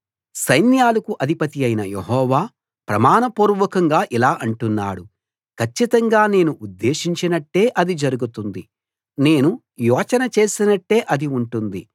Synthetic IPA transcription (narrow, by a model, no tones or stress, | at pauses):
sɐjnjaːlɐkuʔɐd̪ʱipɐt̪ijɐjnɐjeɦɔːʋaː | pɾɐmaːnɐpuːɾʋɐkɐŋɡaːʔilaːʔɐɳʈunːa̰ːɽu | kʰɐt͡ʃːit̪ɐŋɡaːne̞ːnuʔud̪ːe̞ːʃiɲt͡ʃinɐʈːe̞ːʔɐd̪id͡ʒɐɾuɡut̪und̪i | ne̞ːnu | jɔːt͡ʃɐnɐt͡ʃe̞ːsinɐʈːe̞ːʔɐd̪iuɳʈund̪i